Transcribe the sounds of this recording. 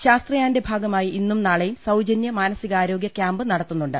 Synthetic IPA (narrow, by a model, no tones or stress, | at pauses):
ɕaːst̪rɐjaːnde̞bʱaːɡɐmaːjiʔinːumnaːɭɐjumsɐwd͡ʑɐnjɐmaːnɐsiɣɐaːɾo̞ːɡjɐkʲjaːmbɨnɐɽɐt̪ːunːuɳɖɨ̰